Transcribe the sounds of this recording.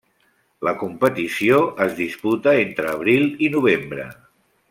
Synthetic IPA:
ləkumpət̪isioʔəzðisput̪əent̪ɾəːβ̞ɾilˠinuβ̞embɾə̰

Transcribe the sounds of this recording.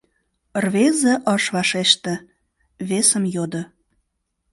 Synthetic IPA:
rβezəʔɑʃβɑʃeʃt̪ĕ | βesə̆mjod̪ə̆

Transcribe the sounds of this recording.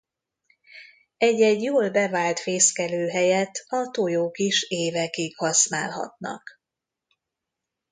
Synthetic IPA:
ɛɟːɛɟjoːlbɛvaːlt̪feːskɛløːɦɛjɛt̪ːɒt̪ojoːkiʃeːvɛkikhɒsna̰ːlɦɒ̰t̪nɒ̰k

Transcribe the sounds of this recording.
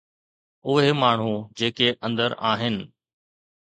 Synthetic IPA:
ʊɦemaːɳ̤ud͡ʑeːkeʔɐ̃nd̪əɾaːɦɪnɪ̆

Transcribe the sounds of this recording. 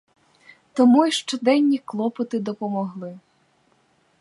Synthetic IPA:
t̪ɔmuiʃt͡ʃɔd̪ɛnʲːiklˠɔpɔt̪ɪd̪ɔpɔmɔɦlˠɪ

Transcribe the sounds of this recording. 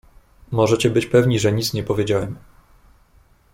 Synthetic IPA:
mɔʐɛt͡ɕɛbɘt͡ɕpɛvɲiʐɛɲit̪sɲɛpɔvʲjed͡ʑawɛm

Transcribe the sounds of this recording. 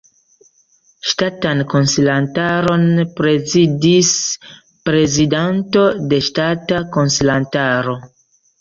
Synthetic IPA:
ʃtatanko̞nsilantaɾo̞npɾe̞zidis | pɾe̞zidanto̞de̞ʃtatako̞nsilantaɾo̞

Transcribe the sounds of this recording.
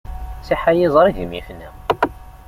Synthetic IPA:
siħajizˤɾˤiʝəmḭfnæ

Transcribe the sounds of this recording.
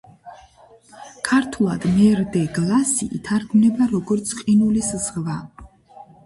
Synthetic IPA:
kʰaɾt̪ʰulˠad̪̥mɛɾd̪ɛɡlˠasḭʔit̪ʰaɾɡmnɛbaɾɔɡɔɾt̪sʰqʼinulisz̥ʁva

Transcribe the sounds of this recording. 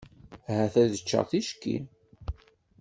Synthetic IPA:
ɦæθæðət͡ʃːə̰ʁθiʃkːḭ

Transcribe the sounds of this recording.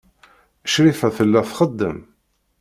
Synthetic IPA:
əʃɾifæθəlːæθχəd̪ːə̰m

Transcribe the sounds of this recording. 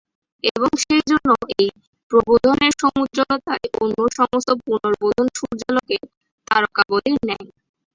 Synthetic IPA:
eboŋʃejd͡ʑonːoej | pɾobod̪ʱoneɾʃomut̪ɾolot̪aeʔonːoʃɔmost̪opunoɾbod̪ʱonʃuɾd͡ʑaloke | t̪aɾokaɡod̪iɾnɛj

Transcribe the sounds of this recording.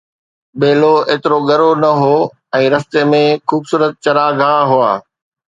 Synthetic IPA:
ɓeːloeːt̪ɪɾoɠɐɾonɐɦoː | ɛ̃ːɾɐst̪emẽxuːbsuːɾət̪̚t͡ɕɐɾaːɡʱaːɦʊaː

